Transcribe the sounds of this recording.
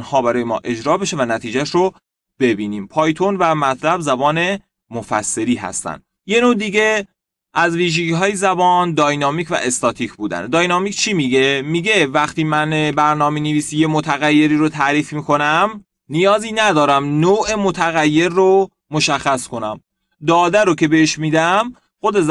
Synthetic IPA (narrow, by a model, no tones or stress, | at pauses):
nhɒːbæɾɒːjemɒ̰ːʔe̞d͡ʒɾɒːbe̞ʃevænæt̪ʰiːd͡ʒæʃɾo | b̥e̞biːniːmpʰɒːjt̪ʰo̞nvæmæt̪ʰlæbzæbɒːne̞ | mofæ̰sːe̞ɾiːɦæ̰st̪æ̰n | je̞noːd̪iːɟe̞ | ʔæzviːʒeɡiɦɒːjezæbɒːnd̪ɒːjnɒːmiːcʰvæ̰ʔe̞st̪ɒːt̪ʰicʰbuːd̪æ̰nd̪ɒːjnɒmicʰt͡ʃʰiːmiɟemiːɟe̞væχt̪iːmænbæɾnɒːmeneviːsijemot̪ʰæɣæjːe̞ɾiːɾot̪ʰæɾiːfmiːko̞næm | nijɒːziːnæd̪ɒːɾæmnoːʔe̞mot̪ʰæɣæjːe̞ɾːo | moʃæxːæskʰo̞næm | d̪ɒːd̪æɾocʰe̞beeʃmiːd̪æm | xo̞d̪e̞z